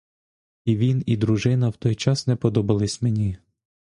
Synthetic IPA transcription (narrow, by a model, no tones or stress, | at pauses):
iʋʲinid̪ɾuʒɪnɐwt̪ɔjt͡ʃɑsnɛpɔd̪ɔbɐlˠɪsʲmenʲi